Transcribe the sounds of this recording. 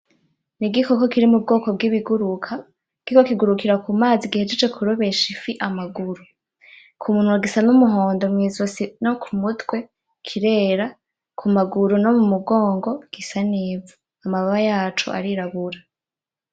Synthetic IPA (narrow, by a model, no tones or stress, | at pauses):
niɡikoko̞kiɾimub̚ɡo̞ːko̞bɡiβiɡuɾukʰa | ɡ̥ikokiɡuɾukiɾakumaːziɡihed͡ʒed͡ʒekʰuɾoβe̞ʃifiʔamaɡuɾu | kʰumuːn̥huaɡisanumuɦo̞ːndo̞mŋiːzusinokʰumutwe̞ | kʰiɾe̞ːɾa | kʰumaɡuɾuno̞mumuɡo̞ːŋɡoɡ̥isaniːvu | amaβaβajaːt͡ʃo̰ʔa̰ɾiɾaβuɾa